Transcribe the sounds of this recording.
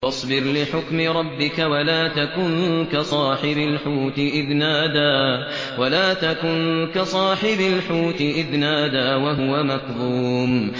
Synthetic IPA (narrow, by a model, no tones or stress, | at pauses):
ɑsˤbɪɾlɪħʊkmɪɾˤɑbːɪkawalaːt̪akʊnkasˤɑːħɪbalħuːt̪ɪʔɪðnaːd̪aː | walaːt̪akʊnkasˤɑːħɪbalħuːt̪ɪʔɪðnaːd̪aːwaɦʊwamakðuːm